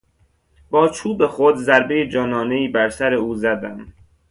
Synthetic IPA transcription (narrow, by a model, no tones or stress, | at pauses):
b̥ɒːt͡ʃʰuːbe̞xod̪zæɾbe̞jed͡ʒɒːnɒːne̞iːbæɾsæɾe̞uːzæd̪æm